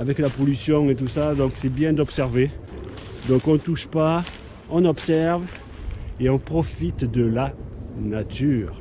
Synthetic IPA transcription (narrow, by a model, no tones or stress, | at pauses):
avɛklapɔlysjɔ̃et̪usad̪ɔ̃ksɛbjɛ̃d̪ɔpsɛʁve | d̪ɔ̃kɔ̃t̪uʃpa | ɔ̃nɔpsɛʁv | eɔ̃pχɔfit̪d̪əlanat̪yːʁ